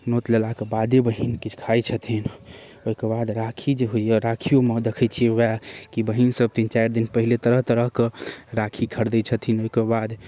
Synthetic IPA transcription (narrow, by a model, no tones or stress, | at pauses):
not̪lelakebad̪ebəɦinkit͡ʃʰkʰajt͡ʃʰət̪ʰin | oɦikebad̪ɾakʰid͡ʒeɦoijəɾakʰijomed̪ekʰɛt͡ʃʰiwakibəɦinsəb̚t̪int͡ʃajɾd̪inpəɦilet̪əɾəɦt̪əɾəɦkeɾakʰikʰəɾd̪ɛt͡ʃʰət̪ʰinoɦikebad̪